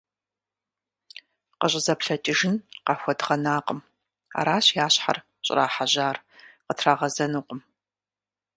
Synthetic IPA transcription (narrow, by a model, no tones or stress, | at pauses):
qəɕʼɪzɐpɬɐt͡ʃʼɪʒɪnqɑxʷɔdʁɐnaːqʼəm | a̰ːɾaːɕjaːɕħa̰r | ɕʼɪ̰raːħaʑaːrqətʰraːʁɐzɐnuːqʷʼəm